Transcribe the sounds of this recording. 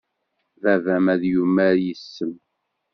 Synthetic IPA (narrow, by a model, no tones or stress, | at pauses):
vævæmæðjumːæɾjəsːəm